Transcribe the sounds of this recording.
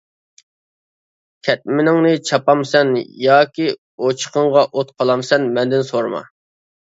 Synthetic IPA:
kʲʰɛt̪̚mɪnɪŋnɪt͡ʃʰɑpɑmsɛnjɑːkʲi | ot͡ʃʰə̥qəɴʁɑʔot̪qʰɑlˠɑmsɛnmɛnd̪ɪnsoɾmɑ̰

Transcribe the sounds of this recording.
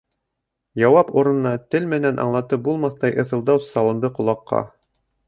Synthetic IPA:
jɑwɑpuɾɤ̆nnɑt̪ɘlmɘ̆nænʔɑ̰ɴlˠɑt̪ɤp̚bulˠmɑθt̪ɑjʔɤ̆θɤ̆lˠd̪ɑwsɑlˠɤ̆md̪ɤqŏlˠɑqːɑ̰

